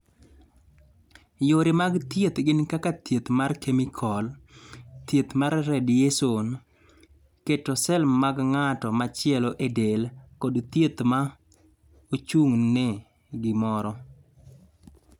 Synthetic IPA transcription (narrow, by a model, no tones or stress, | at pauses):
joɾɪmaɡt̪jet̪ɡɪnkakat̪jet̪markemikʰɔl | t̪jet̪maɾːɛdjeson | ketosɛlmaɡŋatɔmat͡ʃɪɛlɔʔedelkodt̪jet̪ma | ot͡ʃuŋne | ɡɪmɔɾɔ